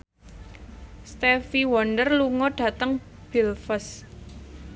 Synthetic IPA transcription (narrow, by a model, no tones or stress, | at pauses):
st̪efiwɔndərluŋɔɖ̥ä̤t̪əŋ | b̥ilfəs